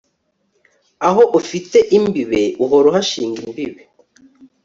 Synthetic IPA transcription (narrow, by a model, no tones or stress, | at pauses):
aɦoʔufiteʔimbiβe̞uɦoɾoɦaʃiːŋɡimbiβe